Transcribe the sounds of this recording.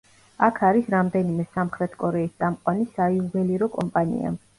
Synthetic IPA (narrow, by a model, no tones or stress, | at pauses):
akʰaɾisɾamd̪ɛnimɛsamχɾɛt̪ʰkʼɔɾɛist̪sʼamqʼwanisaiubɛliɾɔkʼɔmpʼanḭa̰